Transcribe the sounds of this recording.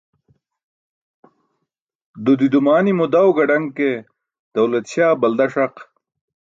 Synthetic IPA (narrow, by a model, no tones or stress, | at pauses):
d̪ud̪id̪umaːnimud̪ɐwɡɐɖɐŋke | d̪̥ɐwlɐt̪ɕaːbɐld̪ɐʂɐq